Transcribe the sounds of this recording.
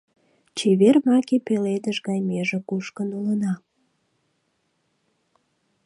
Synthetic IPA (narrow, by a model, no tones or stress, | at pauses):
t͡ɕeβermɑkepeled̪əʃɣɑjmeʒĕkuʃkənulənɑ